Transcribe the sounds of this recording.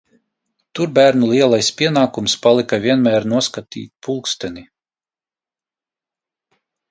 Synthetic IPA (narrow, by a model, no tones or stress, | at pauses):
t̪uɾbæːɾnulˠiɛlˠajspʲiɛnaːkumspalˠikavʲiɛnmæːɾnuɔskat̪ḭːt̪̚ʲpʰulˠkst̪ɛni